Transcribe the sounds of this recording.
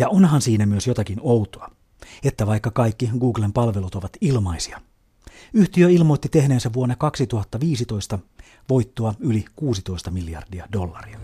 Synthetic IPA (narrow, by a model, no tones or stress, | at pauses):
jɑonɦɑnsiːnæmyøsjot̪ɑkinowt̪oɑ | et̪ːæʋɑikːɑkɑikːiɡuːɡlempɑlʋe̞lut̪o̞ʋɑt̪ilmɑisiɑ | yht̪iøilmo̞jt̪ːit̪e̞hne̞ːnsæʋuonːekɑksit̪uhɑt̪ːɑʋiːsit̪o̞ist̪ɑ | ʋo̞jt̪ːoɑylikuːsit̪o̞ist̪ɑmilːijɑ̰rdiɑdo̞lːɑ̰riɑ